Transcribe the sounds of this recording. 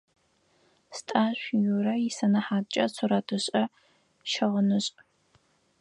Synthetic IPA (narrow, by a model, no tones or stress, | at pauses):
stʼaːɕʷjurɐjisɐnɐħaːt͡ʃʼɐsʷʰʊrɐdʰɨɕʼɐ | ʃɐʁənɨɕʼ